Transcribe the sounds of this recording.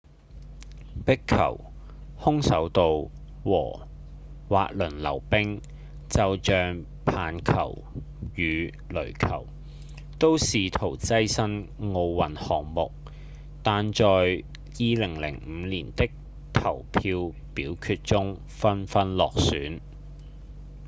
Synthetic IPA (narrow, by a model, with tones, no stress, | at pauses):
pɪ˥kʰːɐ̰˨˩w | hʊ˥ŋsɐ˨˥wt̪o˨w | wɔː˨˩ | wa̰ː˨˧k̚lɵ˨˩nlɐ̰˨˩wpɪ˥ŋ | t͡sɐ˨wt͡ʃœː˨ŋ | pʰaː˨nkʰɐ̰˨˩w | jyː˨˧ | lɵ˨˩ɥkʰɐ̰˨˩w | t̪o˥wsiː˨t̪ʰo˨˩wt͡sɐ˥jsɐ˥nŋo˧wwɐ˨nhɔː˨ŋmʊ˨k̚ | t̪aː˨nt͡ʃɔː˨j | jiː˨lɪ˨˩ŋlɪ̰˨˩ŋm̩˨˧liː˨˩nt̪ɪ˥k̚ | t̪ʰɐ˨˩wpʰiː˧w | piː˨˥wkʰyː˧t̚t͡sʊ˥ŋ | fɐ˥nfɐ˥nlɔː˨k̚syː˨˥n